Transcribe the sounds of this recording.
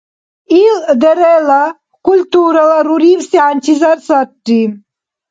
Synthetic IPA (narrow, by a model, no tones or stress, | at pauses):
ild̪eɾela | kult̪uɾɐlɐɾuɾifsianʲt͡ʃizɐɾsatːim